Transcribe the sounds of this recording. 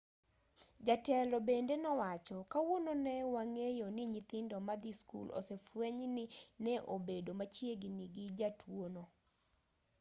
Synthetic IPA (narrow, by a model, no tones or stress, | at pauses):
d͡ʒatɛlɔbendenɔwat͡ʃɔkawononɛwaŋejonɪɲɪt̪ɪndɔmad̪iskṵlo̰sɛfweɲnɪnɛʔobedomat͡ʃjeɡniɡɪd͡ʒatʰwono